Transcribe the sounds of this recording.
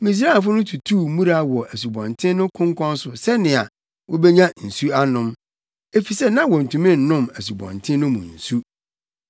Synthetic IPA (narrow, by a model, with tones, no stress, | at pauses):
mĩ˨s̬ɾa˦˨fʊ˦nʊ̃˦tʰu˨tʰuː˦˨mũ˦ɾa˨˦˨wɔ˨ʔæ˨su˨bɔ̰̃˨ntʰɪ̃˦nʊ̃˦kʰʊ̃˦ŋkʰɔ̃˦n˦sʊ˨sɛ˦nɪ̃˨a̰˨ | wʔɔ˦bɛ˦ɲã˦n̩˨su˦a˦nʊ̃˦m | e˦fi˨sɛ˦nã˦wɔ˨n̩˨tũ˨mɪ̃˦˨n̩˨nʊ̃˦mæ˨s̬u˨bɔ̰̃˨ntʰɪ̃˦nʊ̃˦mṵ̃˨n̩˨su˦